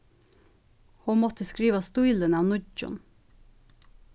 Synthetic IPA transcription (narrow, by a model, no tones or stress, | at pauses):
huːmɔt̪ʰəskɾiːʋɑst̪uʏlənɑːʋnʊd͡ʒʊ̰n